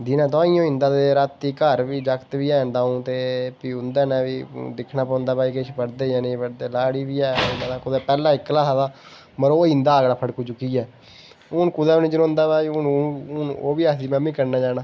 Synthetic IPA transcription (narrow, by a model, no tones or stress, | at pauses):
d̪inãːt̪aːiːjõːɪ̃nd̪aːd̪eːɾət̪ːiːkəɾʋiːd͡ʒəkt̪ʋiːɛːnd̪aːũːt̪eːpiːʊnd̪ɛːnɛ̃ːʋiːd̪ɪkʰnaːpɔ̃ːnd̪aːpaːiːkɪʃpəɽd̪eːjãːnẽːpəɽd̪eːlaːɽiːʋiːɛ̃ːnaaːkʊd̪ɛːpɛːlãːɪkːlaːsaːd̪aː | məɾoːɪ̃nd̪aːəɡɽaːpʰəɽkuːd͡ʒʊkiːɛː | ʊnkʊd̪ɛːniːd͡ʒənõːʊ̃nd̪aːpaːiːʊnʊno̰ːʋiːasiːmɛ̃ːmĩːkəɾnaːd͡ʒaːnaː